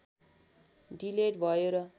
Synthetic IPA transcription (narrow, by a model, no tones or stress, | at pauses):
ɖileʈbʱʌjeɾʌ